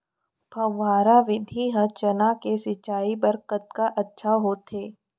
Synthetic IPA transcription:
bʱɐ̃ʋːaːɾaʋɪd̪ʱiɦɐt͡ʃənakesɪt͡ʃaːibəɾkət̪̚kaʔɐtːʃʰaɦoːt̪eː

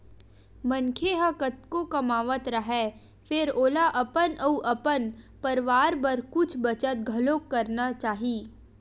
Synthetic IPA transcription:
mɐ̃nkʰeɦəkət̪̚kokɐmaːʋət̪ɾɐɦɛː | fɪɾoːlaʔɐpənɐuʔɐpənpɐɾʋaːɾpɐɾkʊt͡ʃʰbɐt͡ʃət̪̚ɡʱɐloːkːɐɾnat͡ʃaːɦiː

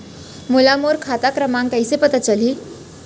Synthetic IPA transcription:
mulamoɾkʰat̪akɾəmãŋkəjsepət̪at͡ʃəli

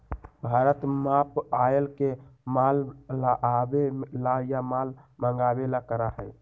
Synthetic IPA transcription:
bʱaɾət̪mapaelkemalːaʔabelajamalməŋɡabelakəɾaɦəj

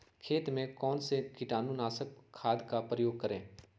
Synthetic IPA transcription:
kʰeːt̪mẽkɔːnsekɪʈaːnũnaːsəkʰːaːd̪kapɾəjoːɡ̚kɐɾẽː

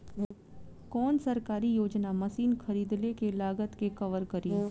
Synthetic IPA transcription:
kɔːnsɐɾkaːɾijoːd͡ʒnamɐsiːnxʰɐɾiːd̪lekelaːɡət̪kekɐʋəɾkɐɾiː

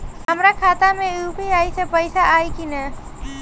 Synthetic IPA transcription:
ɦəmɾakʰat̪amẽupiajsə̃pəjsaʔːjkinə

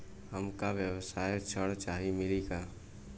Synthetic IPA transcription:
ɦəmkaʋjəwsaːjt͡ʃʰəɽt͡ʃaːɦimɪliɡaː

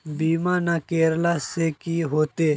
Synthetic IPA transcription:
biːmãːnakeːɾlaːseːkiːɦoːt̪eː

